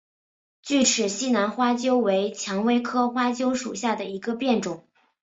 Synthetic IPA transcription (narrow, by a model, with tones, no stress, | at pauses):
t͡ɕy˥˩ʈ͡ʂʰɻ̩˨˩ɕi˥na˧˥nxwa˥t͡ɕjo˥ʊwe˧˥ɪt͡ɕʰjɑ˧˥ŋwe˥ɪkʰɤ˥xwa˥t͡ɕjo˥ʊʂṵ˨˩ɕja˥˩d̪ə˩i˧˥ɡə˧pjɛ˥˩nʈ͡ʂʊ˨˩˦ŋ